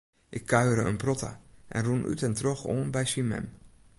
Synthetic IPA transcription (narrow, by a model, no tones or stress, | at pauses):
ʔɪkʰːaɥɾəə̰nprɔtʰa̰ʔɛ̰nrunʔy̰tɛntroxoːnbɛjsimɛ̰m